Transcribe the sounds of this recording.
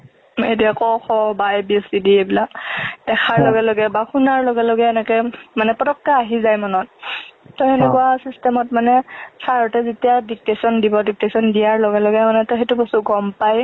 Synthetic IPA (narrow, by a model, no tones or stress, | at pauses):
etiakɔxɔbajbiɛsidiebilakd̥ɛxʰaɹlɔɡɛlɔɡɛbaxunaɹlɔɡɛlɔɡɛɛnɛkɛmanɛpɔtɔkːaːɦizajmɔnɔt̚tɔɛnɛkuwasistɛmɔtmanɛsaɹɔtɛzetijadik̚tesɔndibɔdik̚tesɔndijaɹlɔɡɛlɔɡɛmanɛtɔɦɛtubɔsuɡɔmpaj